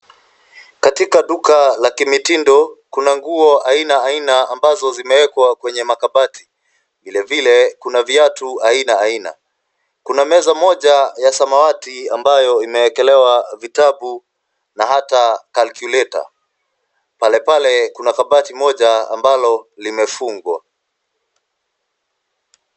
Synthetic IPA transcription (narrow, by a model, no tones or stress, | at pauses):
katikaɗukalakimitindɔkunaŋɡuɔʔainaainaambazɔzimɛwɛkwakwɛɲɛmakaɓati̥ | vilɛvilɛkunaviatuainaːina̰ | kunamɛzamɔʄajasamawatiambajɔimɛwɛkɛlɛwavitaɓu | naɦatakalkulɛta̰ | palɛpalɛkunakaɓatimɔʄaa̰mbalɔlimɛfuŋɡwa̰